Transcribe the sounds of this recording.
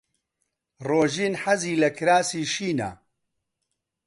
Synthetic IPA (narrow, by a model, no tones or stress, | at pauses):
roːʒiːnħɐziːlɐkɾaːsiːʃiːna̰